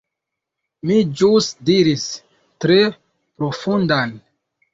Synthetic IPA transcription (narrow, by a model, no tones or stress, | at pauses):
mid͡ʒusdiɾis | tɾe̞ | pɾo̞fundan